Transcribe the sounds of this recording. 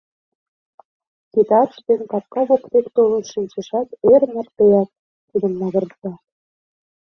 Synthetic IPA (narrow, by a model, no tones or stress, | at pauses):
kit̪ɑtʃd̪enkɑt̪̚kɑβokt̪ekt̪olɤ̆nʃinʲt͡ɕeʃɑt̪eɾmə̆rt̪ejɑk̪ | t̪id̪ə̆mːɑɣə̆rt̪ɑ